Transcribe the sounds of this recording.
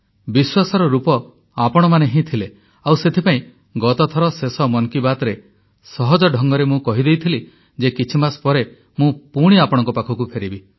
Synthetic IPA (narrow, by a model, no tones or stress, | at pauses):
biswasɔɾɔɾupɔ | apɔɽ̃ɔmaneɦĩt̪ʰile | awset̪ʰipaĩ | ɡɔt̪ɔt̪ʰɔɾɔsesɔmɔnkibat̪ɾe | sɔɦɔd͡ʒɔɖʱɔŋɡɔɾemũkɔɦid̪ejt̪ʰili | d͡ʒekit͡ʃʰimaspɔɾe | mũpuɽ̃iapɔɽɔ̃ŋkɔpakʰɔkupʰeɾibi